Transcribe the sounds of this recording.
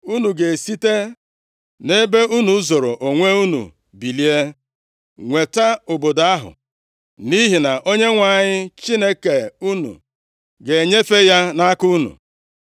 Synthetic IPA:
u˦nu˨ɡe˨si˦te˦ | ne˦be˦u˦nu˨˦zo˨ɾo˨ʔo˨ŋʷe˦u˦nṵ˨ | bi˨li˦e˦ | ŋʷe˨ta˦ʊ˨bo˨da˦ɦʊ̰˨ | ni˦ɦi˨na˨ʔo˦ɲe˦ŋʷa˨ɲɪ˦t͡ʃi˦ne˦ke˨u˦nṵ˨ | ɡe˨ɲe˦fe˦ja˦na˦ku˦nṵ˨

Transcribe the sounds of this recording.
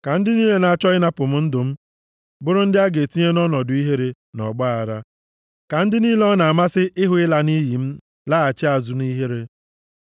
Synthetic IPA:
ka˨n̩˦dɪ˦niː˦le˨na˨a˨t͡ʃɔ˦ɪ˦na˦pʊ˨m̩˦n̩˦dʊ˨m̩˦ | bʊ˦ɾʊ˦n̩˦dɪ˦a˦ɡe˨ti˦ɲe˦nɔ˦nɔ˨dʊ˨i˦ɦe˦ɾe˨ | nɔ˨ɡ͡ba˦a˨ɾa˦ | ka˨n̩˦dɪ˦niː˦le˦ɔ˦na˨a˨ma˦sɪ˦ʔɪ˦ɦʊ˦ɪ˦la˨ni˦ji˨m̩˦ | la˦a˨t͡ʃe˦a˨zu˨ni˦ɦe˦ɾe˦

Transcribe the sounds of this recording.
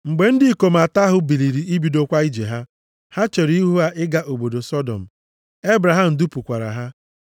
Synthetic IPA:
ŋ͡m̩˨ɡ͡be˨n̩˦dɪ˦i˦ko˨m˨a˨ta˦ɦʊ˦bi˨li˨ɾi˨i˦bi˨do˦kʷa˦i˦d͡ʒḛ˨ɦa˦ | ha˦t͡ʃe˨ɾi˦ɦu˦a˦ʔɪ˦ɡa˦ʔo˨bo˨do˨sɔ˦dɔ̰˨m̩˨ | e˦bɾa˨ɦa˨m̩˨du˦pu˨kʷa˨ɾa̰˨ɦa˦

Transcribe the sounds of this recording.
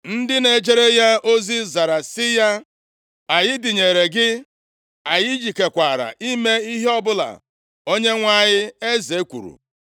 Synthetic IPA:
n̩˦dɪ˦ne˨d͡ʒe˦ɾe˦ja˦o˦zi˦za˨ɾa˨sɪ˦ja˦ | a˨jɪ˦dɪ˨ɲe˨ɾe˨ɡɪ˦ | a˨jɪ˦d͡ʒi˨ke˨kʷa˨ɾa̰˨ʔi˦me˦i˦ɦe˦ɔ˦bʊ˦la̰˨ | o˦ɲe˦ŋʷa˦˨ɲɪ˦e˦ze˨˦kʷṵ˨ɾṵ˨

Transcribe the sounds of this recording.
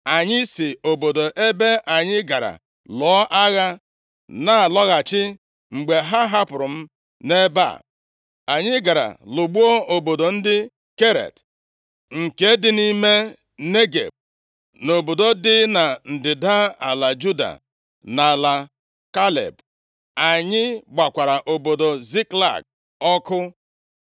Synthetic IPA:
a˨ɲɪ˦sɪ˨o˨bo˨do˨ʔe˦be˦ʔa˨ɲɪ˦ɡa˨ɾa̰˨ | lɔ˨˦ʔa˦ɣa˦ | na˦˨lɔ˦ɣa˨t͡ʃɪ˦ | ŋ͡m̩˨ɡ͡be˨ɦa˦ɦa˦pʊ˨ɾʊ˨m̩˦ | ne˦ba̰˦˨ | a˨ɲɪ˦ɡa˨ɾa̰˨lʊ˨ɡ͡bu˦o˦o˨bo˨do˨n̩˦dɪ˦ | ke˦ɾḛ˨t | ŋ̩˨ke˦dɪ˦ni˦me˦ | ne˦ɡḛ˨b̚ | no˨bo˨do˦dɪ˦na˨n̩˨dɪ˨da˦a˨la˨d͡ʒu˦da̰˨ | na˨la˨ | ka˦lḛ˨b | a˨ɲɪ˦ɡ͡ba˨kʷa˨ɾa˨ʔo˨bo˨do˨zi˦kla̰˨ɡ̚ | ɔ˦kʊ˦

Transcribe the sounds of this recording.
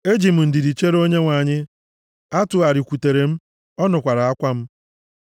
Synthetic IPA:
e˦d͡ʒi˨m̩˨n̩˨dɪ˨di˨t͡ʃe˦ɾo˦ɲe˦ŋʷa˨ɲɪ˦ | a˦tʊ˨a˨ɾɪ˨kʷu˨te˨ɾe˨m̩˦ | ɔ˦nʊ˨kʷa˨ɾa˨a˦kʷa˦m̩˦

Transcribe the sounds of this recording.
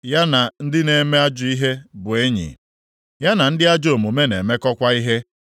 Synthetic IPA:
ja˦na˨n̩˦dɪ˦ne˨me˦a˦d͡ʒʊ˨i˦ɦe˦bʊ˨e˦ɲḭ˨ | ja˦na˨n̩˦dɪ˦a˦d͡ʒo˨mu˨me˦ne˨me˦kɔ˦kʷa˦i˦ɦe˦

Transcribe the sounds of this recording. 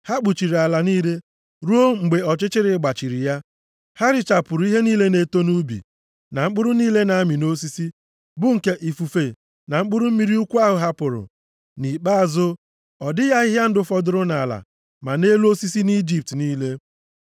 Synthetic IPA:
ha˦k͡pu˨t͡ʃi˨ɾi˨a˨la˨niː˦le˦ | ɾu˦o˦ŋ͡m̩˨ɡ͡be˨ɔ˨t͡ʃɪ˦t͡ʃɪ˦ɾɪ˨˦ɡ͡ba˨t͡ʃi˨ɾi˨ja˦ | ha˦ɾɪ˨t͡ʃa˨pʊ˨ɾʊ˨˦i˦ɦe˦niː˦le˦ne˨to˦nu˦bḭ˨ | na˨ŋ͡m̩˦k͡pʊ˦ɾʊ˦niː˦le˦na˨a˦mi˨no˦s̬i˦si˦ | bʊ˦ŋ̩˨ke˦ʔi˨fu˨fe˨ | na˨ŋ͡m̩˦k͡pʊ˦ɾʊ˦m̩˦mi˦ɾi˦u˦kʷu˦a˦ɦʊ˨ɦa˦pʊ˨ɾʊ̰˨ | ni˨k͡pa˦a˨zʊ˦ | ɔ˨dɪ˦ja˦ɪ˦ɦja˦n̩˦dʊ˦fɔ˨dʊ˦ɾʊ˦na˨la̰˨ | ma˨ne˦lu˦o˦si˦si˦ni˦d͡ʒi˨p̚tniː˦le˦

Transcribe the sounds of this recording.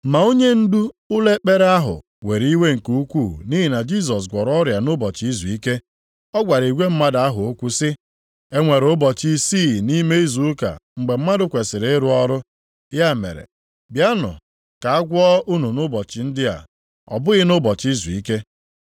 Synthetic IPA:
ma˨o˦ɲe˦n̩˦du˦ʊ˦le˦k͡pe˦ɾa˦ɦʊ̰˨ | we˨ɾi˦we˦ŋ̩˨ku˦u˦kʷu˦˨ni˦ɦi˨na˨d͡ʒi˦˨s̬ɔ˨s̬ɡʷɔ˨ɾɔ˦ɾja˨nʊ˦bɔ˨t͡ʃi˦zu˨i˦ke˦ | ɔ˦ɡʷa˨ɾi˨ɡʷe˦m̩˦ma˦da˦ɦʊ˨o˦kʷu˦sɪ˦ | e˦ŋʷe˨ɾo˦bɔ˨t͡ʃi˦si˦˨ni˦me˦i˦zu˨ʊ˦ka̰˨ŋ͡m̩˨ɡ͡be˨m̩˦ma˦dʊ˨kʷe˨sɪ˨ɾe˨e˦ɾʊ˦ɔ˦ɾʊ˦ | ja˦˨mḛ˨ɾḛ˨ | bja˦nʊ̰˨ | ka˨a˦ɡʷɔ˦ʔu˦nu˨nʊ˦bɔ˨t͡ʃɪ˨n̩˦dɪ˦a̰˨ | ɔ̰˨bʊ˦ɣɪ˦nʊ˦bɔ˨t͡ʃi˦zu˨i˦ke˦

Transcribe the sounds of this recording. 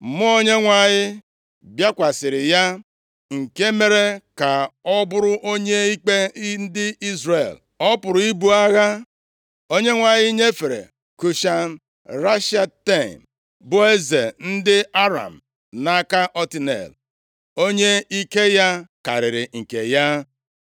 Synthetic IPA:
mʊ˦o˦ɲe˦ŋʷa˨ɲɪ˦ | bja˦kʷa˨sɪ˨ɾɪ˨ja˦ | ŋ̩˨ke˦me˦ɾe˦ka˨ɔ˦bʊ˦ɾʊ˦ʔo˦ɲe˦i˦k͡pe˦n̩˦dɪ˦i˦zɾḛ˨l | ɔ˦pʊ˨ɾʊ˨i˦bu˦a˦ɣa˦ | o˦ɲe˦ŋʷa˨ɲɪ˦ɲe˦fe˨ɾḛ˨ | ku˨ʃa˨n̩˦ | ɾa˦ʃa˦te˦˨m | bʊ˦e˦ze˨n̩˦dɪ˦a˦ɾa̰˨m˨ | na˦ka˦ʔɔ˦ti˦nḛ˨l | o˦ɲe˦i˦ke˦ja˦ka̰˨ɾɪ˨ɾɪ˨ŋ̩˨ke˨ja˦

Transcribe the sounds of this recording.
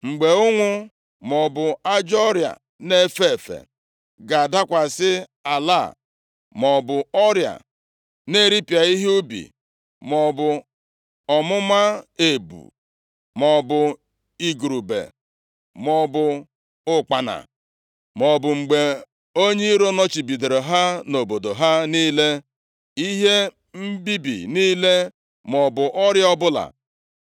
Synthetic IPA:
ŋ͡m̩˨ɡ͡be˨ʊ˦ŋʷʊ˦ | mɔ˨bʊ˨a˦d͡ʒɔ˦ɾja̰˨ | ne˦˨fe˦˨e˨fḛ˨ | ɡa˨a˨da˦kʷa˨sɪ˦ | a˨la̰˦˨ | mɔ˨bʊ˨ɔ˦ɾja̰˨ | ne˦˨ɾi˦pi˨a˨i˦ɦu˦bḭ˨ | mɔ˨bʊ˨ | ɔ˨mʊ˦ma˦e˨bṵ˨ | mɔ˨bʊ˨ | i˨ɡu˨ɾu˨bḛ˨ | mɔ˨bʊ˨ | ʊ˦k͡pa˨na̰˨ | mɔ˨bʊ˨ŋ͡m̩˨ɡ͡be˨ | o˦ɲe˦i˦ɾo˦nɔ˦t͡ʃi˨bi˨de˨ɾe˨ɦa˦no˨bo˨do˨ɦa˦niː˦le˦ | i˦ɦe˦ | m̩˦bi˦bḭ˨niː˦le˦ | mɔ˨bʊ˨ʔɔ˦ɾjɔ˦bʊ˦la̰˨

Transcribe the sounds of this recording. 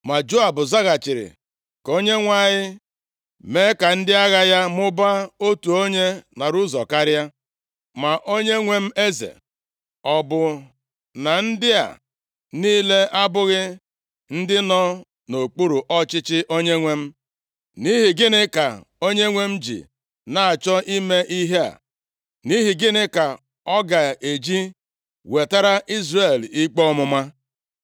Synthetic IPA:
ma˨d͡ʒo˦a˨bʊ˨za˦ɣa˨t͡ʃɪ˨ɾɪ̰˨ | ko˦ɲe˦ŋʷa˦˨ɲɪ˦ | me˦ka˨n̩˦dɪ˦a˦ɣa˦ja˦m˦ʊ˦ba˦o˦tu˨o˦ɲe˦na˨ɾu˦zɔ˨ka˦ɾja˦ | ma˨ʔo˦ɲe˦ŋʷe˦m̩˦e˦zḛ˨ | ɔ˨bʊ˨ | na˨n̩˦dɪ˦a̰˨ | niː˦le˦ʔa˦bʊ˦ɣɪ˦ | n̩˦dɪ˦nɔ˦ | no˨k͡pu˦ɾu˨ʔɔ˦t͡ʃɪ˦t͡ʃɪ˦ʔo˦ɲe˦ŋʷe˦m̩˦ | ni˦ɦɪ˨ɡɪ˦nɪ˦ka˨ | o˦ɲe˦ŋʷe˦m̩˦d͡ʒḭ˨ | na˨a˨t͡ʃɔ˦ʔi˦me˦ʔi˦ɦe˦a̰˨ | ni˦ɦi˨ɡɪ˦nɪ˦ka˨ | ɔ˦ɡa˨e˨d͡ʒi˦ | we˨ta˦ɾa˦ʔi˦zre˨li˦k͡pɔ˦ɔ˦mʊ˦ma˦

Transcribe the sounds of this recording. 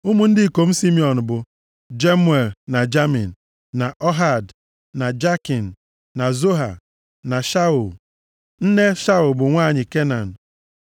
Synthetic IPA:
u˦mu˨n̩˦dɪ˦˨ko˨m̩˦si˦mi˨ɔ˨n˨bʊ˨ | d͡ʒe˦mwe˨lna˨d͡ʒa˦mi˨n̩˨ | na˨ʔɔ˦ɦa˨d | na˨d͡ʒa˦ki˨n̩˨ | na˨zo˦ɦa˨ | na˨ʃa˦u˨l | n̩˦ne˦ʃa˦u˨lbʊ˨ŋʷaː˦˨ɲɪ˨ke˦na˨n̩˨

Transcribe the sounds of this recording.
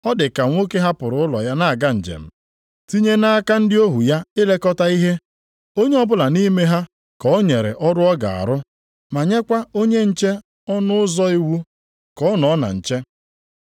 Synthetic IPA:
ɔ˦dɪ˨ka˨ŋʷo˦ke˦ɦa˦pʊ˨ɾʊ˨˦ʊ˦lɔ̰˨ja˦na˦a˨ɡa˦n̩˨d͡ʒḛ˨m̩˦ | ti˦ɲe˦na˦a˦ka˦n̩˦dɪ˦o˦ɦu˨ja˦ɪ˦le˦kɔ˦ta˦i˦ɦe˦ | o˦ɲe˦ɔ˦bʊ˦la˨ni˦me˦ɦa˦ | kɔ˨˦ɲe˨ɾḛ˨ʔɔ˦dʊ˦ɔ˦ɡa̰˨a̰˨ɾʊ˦ | ma˨ɲe˦kʷa˦o˦ɲe˦n̩˦t͡ʃe˦ | ɔ˦nʊ˦ʊ˦zɔ˦i˦wu˦ | kɔ˦nɔ˨˦na̰˨n̩˨t͡ʃe˦

